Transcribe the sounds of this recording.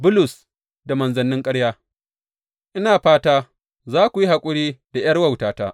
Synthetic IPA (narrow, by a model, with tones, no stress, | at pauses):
bʊ˦lʊ˨s | da˨mɐ˨nzɐ˨nːɪ˦ŋkʼɐ˦ɽjaː˦ | ʔɪ˦naː˨ɸaː˦taː˦ | zaː˦kʷu˨ji˦ha˨kʷʼʊ˦ɽiː˦d̥a˨jɐ˦rwɐ˨wtaː˨taː˦